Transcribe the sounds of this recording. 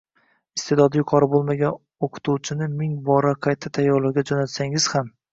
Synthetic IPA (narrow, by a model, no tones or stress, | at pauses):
ɪst̪e̞d̪ɒd̪ɪjʊqʰɒɾɪbolˠmaɡʲan | oqʰʊ̥t̪ʰuwt͡ʃʰɪnɪmɪŋbɒɾaqʰɑjt̪ʰːat̪ʰajːɒɾlˠaɾɡʲad͡ʒɒnat̪saŋɪz̥ham